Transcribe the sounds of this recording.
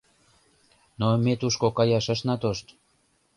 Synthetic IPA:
nomet̪uʃkokɑjɑʃəʃnɑt̪oʃt̪

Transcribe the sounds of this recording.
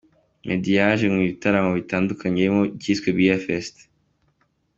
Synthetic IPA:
mʔedijaʒeŋiβitaɾamoβitaːndukʰaɲemoɟiːskwebɟijafest

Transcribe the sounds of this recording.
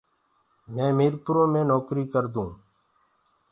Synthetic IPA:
mẽːmiːɾpʊɾõːmẽːnoːkɾiːkəɾd̪ũː

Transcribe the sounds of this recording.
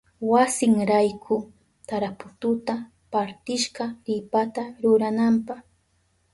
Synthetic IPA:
wasɪŋɾajkʰʊ | t̪aɾapʊt̪ʊt̪a | paɾt̪ɪʃɢɑɾɪpat̪aɾʊɾanampɑχ

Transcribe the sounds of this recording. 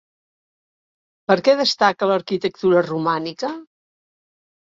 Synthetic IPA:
pəɾkɛðəst̪akələɾkit̪ək̚t̪uɾərumanikə

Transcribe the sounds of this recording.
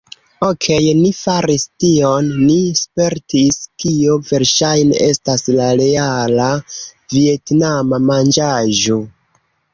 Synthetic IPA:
okʰe̞jnifaɾistio̞nːispe̞ɾtʰiskio̞ve̞ɾʃajne̞̰ʔe̞staslaɾe̞alavie̞tnamamand͡ʒaʒo̞

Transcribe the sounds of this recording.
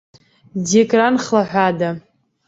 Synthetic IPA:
dikʼranχlaħᶣʷada

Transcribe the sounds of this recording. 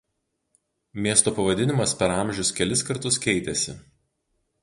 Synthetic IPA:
mʲiɛst̪oːpɐʋɐd̪ʲɪnʲɪmɐspʲɛɾɐˑmʲʒʲʊskʲɛlʲɪskɐɾt̪ʊskʲɛɪt̪ʲɛsʲɪ̰

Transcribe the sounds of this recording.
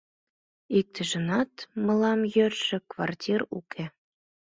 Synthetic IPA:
ik̚t̪ʰəʒə̆nɑt̪məlɑmjørʃĕkvɑrtʲirṵkʰe

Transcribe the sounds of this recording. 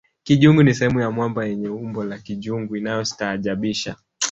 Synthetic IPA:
kiʄuŋɡunisɛhɛmujamwambajɛɲɛumbɔlakiʄuŋɡuinajɔsi̥taːʄaɓiʃa

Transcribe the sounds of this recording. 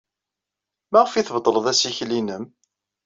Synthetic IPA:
mæʁəfiθbt̪ˤːləðˤæsiçlinəm

